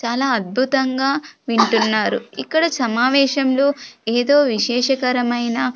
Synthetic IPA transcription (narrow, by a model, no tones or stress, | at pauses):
t͡ʃaːlaːɐd̪̚bʱut̪ɐŋɡaːʋiɳʈunːaːɾṵikːɐɽɐsɐmaːʋɛːʃɐmlo̞ːeːd̪o̞ːʋiʃɛːʂɐkɐɾɐmɐjnɐ